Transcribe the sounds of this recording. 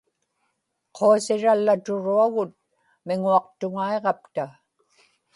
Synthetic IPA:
qʰo̞asɪɻalːat̪ʊɻuaɣʊt̪̚ | mɪŋuɑq̚t̪ʊŋaeʁɑp̚t̪a

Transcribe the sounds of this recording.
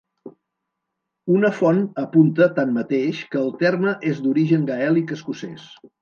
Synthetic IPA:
unəfɔnəpunt̪ət̪anmət̪eʃkəːlˠt̪ɛrməʔezd̪uɾiʒəŋɡəɛlˠikəskusɛs

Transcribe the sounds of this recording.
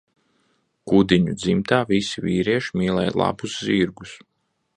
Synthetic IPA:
kud̪iɲud̪zimt̪aːvisiviːɾiɛʃimiːlˠɛ̰jlˠa̰busziɾɡus

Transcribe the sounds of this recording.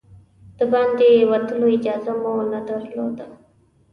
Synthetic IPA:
d̪̥əbɑnd̪ewat̪əloɪd͡ʒɑːzamonad̪aɾlod̪a

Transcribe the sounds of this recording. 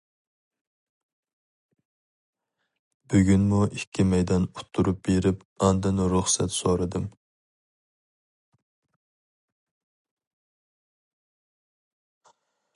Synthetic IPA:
b̥yɡʲynmuʔikʲʰːimɛjd̪ɑnut̪ʰːuɾup̚beɾɪp | ɑnd̪ɨnuɾuχsɛt̪soɾɨd̪ɨm

